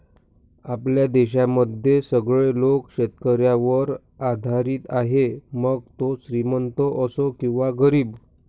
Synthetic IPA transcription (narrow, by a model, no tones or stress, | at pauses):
apljad̪eɕaməd̪ʱjesəɡɭelokɕet̪kəɾjaʋəɾ | ad̪ʱaɾiːt̪aɦeməɡ̚t̪osɾimənt̪oʔəsokĩw̃ʋaɡəɾiːb